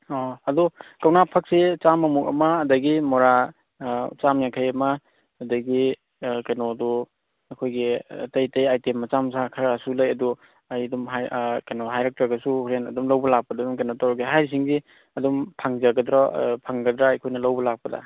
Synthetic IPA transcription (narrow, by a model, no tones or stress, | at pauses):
ɔɐdukɐwnapʰɐk̚set͡ʃamːɐmukɐ̰mɐːdɐɡimɔɾa | t͡ʃamjaŋkʰajɐmɐː | dɐɡi | kenodu | ɐkʰojɡiɐ̰tɐjtɐjajtemːɐt͡ʃamsakʰɐɾasulɐjɐdu | ɐjɐdumɦakenoɦajɾɐk̚tɾɐɡɐsuɾenɐ̰dumlɐwbɐlak̚pɐdɐadumkenotawɾɡiɦajɾisiŋzi | ɐdumpʰaŋd͡ʒɐɡɐdɾapʰaŋɡɐdɾaːjkʰojnɐlɐwbɐlak̚pɐdɐ̰